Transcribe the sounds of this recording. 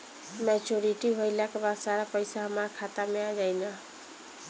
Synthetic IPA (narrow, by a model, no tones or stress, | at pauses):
mɛt͡ʃoɾiʈibʱojlakebad̪saɾapəjsaɦəmakʰat̪amead͡ʒajna